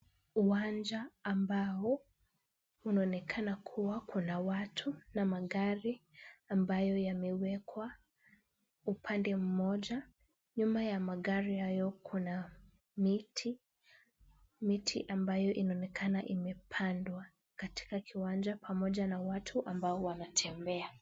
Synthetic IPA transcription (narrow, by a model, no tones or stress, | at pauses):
uwand͡ʒaːmbaɔ | unaɔnɛkʰanakʰuwakunawatʰunamaɠaɾiambajɔjamɛwɛkʰwa | upʰandɛm̩mɔʄa | ɲumajamaɠaɾihajɔkʰuna | mitʰi | mitʰḭʔambajɔʔinaɔnɛkʰanaʔimɛpʰandwa | kati̥kakʰiwand͡ʒapʰamɔʄanawatʰuʔambaɔwanatʰɛmbɛa